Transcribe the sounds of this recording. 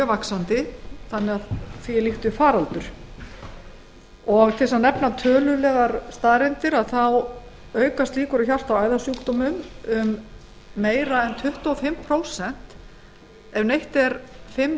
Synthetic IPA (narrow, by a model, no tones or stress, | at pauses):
œvaksant̪ɪθanːɪɣaðθiːliht̪ʏfaːɾalt̪ʏɾ̥ | ɔɣt̪ʰɪsanɛpnat̪ʰœːlʏlɛɣaɾst̪aːɾɛnt̪ɪɾaðθaw | œːɥkast̪liːkʏɾɔçar̥t̪awaːjðasuːkt̪ɔmʏmʏmː | eːjɾaɛnt̪ʰʏht̪ɔfɪmpʰɾoːwsɛn̥t̪ | ɛvnejht̪ɛɾfɪm